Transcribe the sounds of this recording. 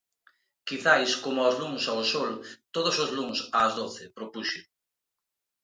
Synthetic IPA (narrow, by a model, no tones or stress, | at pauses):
kiθajskomʊaʊzluŋsaosolt̪oðʊsʊzluŋsɐːzðoθɪpɾopuʃʊ